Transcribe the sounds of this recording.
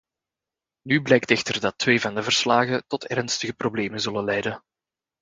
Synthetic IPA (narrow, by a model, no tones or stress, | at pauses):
nyblɛjk̚tɛxtərdɑtweːvɑndəvərslaːɣətɔtɛrnstəɣəprobleːmənzɵləlɛjdə